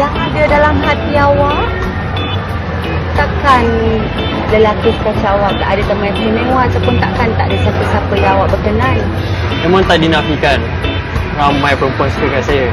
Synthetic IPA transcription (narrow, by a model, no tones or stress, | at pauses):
jaŋadadalamɦat̪iawaʔ | t̪akan | ləlakiskat͡ʃawaʔt̪aʔadat̪əmajsənewat͡ʃapʊnt̪aʔkant̪aʔdəsapəsapəjawaʔbəkənan | memaŋt̪aʔdinafikan | ramajpəmpɔst̪əkansajə